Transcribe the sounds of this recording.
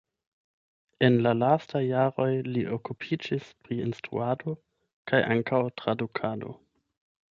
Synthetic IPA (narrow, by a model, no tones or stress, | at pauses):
e̞nlalastajːaɾo̞jliʔokupʰid͡ʒispɾiinstɾṵado̞ | kʰajʔaŋkʰawtɾadukʰado̞̰